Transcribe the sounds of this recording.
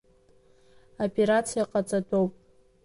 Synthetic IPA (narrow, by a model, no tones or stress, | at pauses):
apʼe̞ɾat͡sʰijaqʼat͡sʼatʼowpʼ